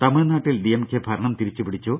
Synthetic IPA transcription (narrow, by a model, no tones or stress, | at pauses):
t̪ɐmiɻnaːʈːild̪ijɐmkːebʱɐɾɐɳɐmt̪iɾit͡ɕːupiɽit͡ɕːoː